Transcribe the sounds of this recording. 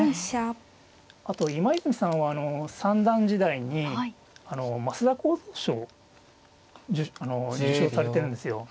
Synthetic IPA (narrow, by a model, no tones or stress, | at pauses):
ɕa | at̪o̞imaizɨmʲisãɰ̃βaːno̞sãnd̪ãɲd͡ʑid̪aiɲ̟i | ano̞masɨd̪akoːzoːɕoː | d͡ʑɨano̞d͡ʑɨɕo̞ːsaɾe̞t̪e̞ɾɯ̟̃nd̪esɨjo̞